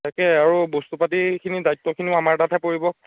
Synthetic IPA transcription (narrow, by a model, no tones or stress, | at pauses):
takɛaɹubostupatikʰinidajtːɔkʰiniʊamaɹtatʰapoɹibɔ